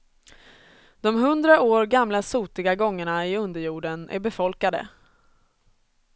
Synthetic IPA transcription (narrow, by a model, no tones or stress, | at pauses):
d̪̥ɔmɦɵnd̪ɾaoːɾɡamlasuːt̪ɪɡaɡɔŋːəɳaɪɵnd̪əɾjuːɖənʔæ̰ɾbɛfɔlkad̪ə̰